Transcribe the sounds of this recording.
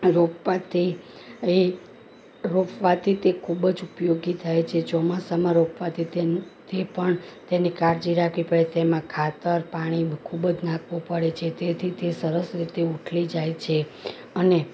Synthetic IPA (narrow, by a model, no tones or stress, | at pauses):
ɾopʋat̪ʰi | e | ɾopʰʋat̪ʰit̪ekʰubəd͡ʒupjoɡit̪ʰajt͡ʃʰet͡ʃɔmasamãɾopʰʋat̪ʰit̪et̪epəɳt̪enikaɾd͡ʒiɾakʰʋipəɽet̪emãkʰat̪əɾpaɽ̃ikʰubəd͡ʒnãkʰʋõpəɽet͡ʃʰet̪et̪ʰit̪ʰesəɾəsɾit̪euʈʰlid͡ʒajt͡ʃʰe | əne